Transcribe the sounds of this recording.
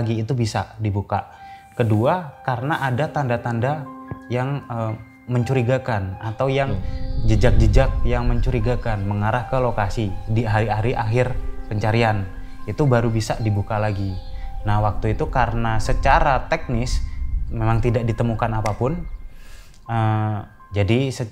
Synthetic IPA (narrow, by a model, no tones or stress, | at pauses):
ɡiːt̪ubisa̰dibukakəduakaɾənaʔadat̪andat̪andajaŋə | məɲt͡ʃuɾiɡakanat̪awjaŋd͡ʒəd͡ʒak̚d͡ʒəd͡ʒak̚jaŋməɲt͡ʃuɾiɡakanməŋaɾahkəlokasidiɦaɾiaɾiʔa̰ɦɪrpəɲt͡ʃaɾian | it̪ubaɾubisaʔdibukalaɡinahwak̚t̪uit̪ukaɾənasət͡ʃaɾat̪ɛk̚nɪsmemaŋt̪idak̚dit̪əmukanapapʊn | ə | d͡ʒadisə